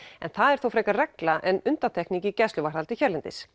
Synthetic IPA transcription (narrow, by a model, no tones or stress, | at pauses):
ɛ̰nθaðɛɾ̥θowfɾɛjkarɛklaʔɛnʏnt̪at̪ʰɛhkniŋcɪcɛslʏvaɾ̥alt̪ɪçɛɾlɪnt̪ɪ̰s